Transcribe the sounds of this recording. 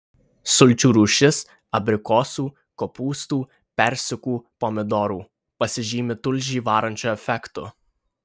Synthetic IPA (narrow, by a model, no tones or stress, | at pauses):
sʊlʲt͡ʃʲuɾʊʃʲɪs | ɐbʲɾʲɪkɔːsuː | kɔpuːst̪uː | pʲɛɾʲsʲʊkuːpɔmʲɪd̪ɔːɾuː | pɐsʲɪʒʲiːmʲɪt̪ʊlʲʒʲiːʋɑːɾɐnʲt͡ʃʲɔɛfʲɛkt̪ʊ̰